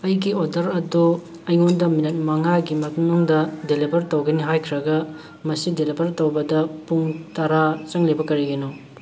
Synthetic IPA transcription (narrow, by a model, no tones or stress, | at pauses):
ɐjɡiodɐɾɐdu | ɐjŋondɐminɐt̚mɐŋaɡimɐtnuŋdɐdelibʱɐɾtowɡɐniɦajkʰɾɐɡɐ | mɐsidelibɐɾtowbɐdɐpuŋtɐɾat͡ʃɐŋlebɐkɐɾiɡeno